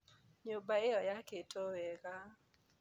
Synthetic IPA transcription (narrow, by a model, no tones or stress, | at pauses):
ɲobaɪɔjaketʰowɛɡa